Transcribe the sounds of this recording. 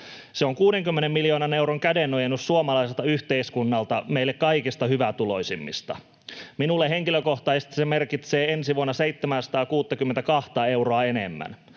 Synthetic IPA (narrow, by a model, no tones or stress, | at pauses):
seoŋkuːdeŋkymːenemːiljo̞ːnɑne̞wɾoŋkædenːojenːyssuomɑlɑjselt̪ɑyht̪eiskunːɑlt̪ɑmeilːekkɑikist̪ɑhyʋæt̪ulo̞̰jsimːḭst̪ɑ̰ | minulːeɦeŋkiløko̞ht̪ɑisest̪i̥semerkit̪seːensiʋuonːɑseit̪ːemænsɑ̥t̪ɑːkuːt̪ːɑkymːent̪ækɑht̪ɑe̞wroɑenḛmːæ̰n